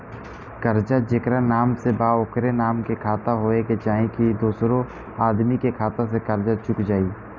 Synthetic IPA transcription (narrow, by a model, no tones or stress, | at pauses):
kəɾd͡ʒad͡ʒɪkɾanaːmsebaːʊkɾenaːmkekʰaːt̪aɦoːeket͡ʃaːɦẽkid̪oːsɾõ | aːd̪mikekʰaːt̪ãsekɐɾd͡ʒat͡ʃʊkd͡ʒaːiː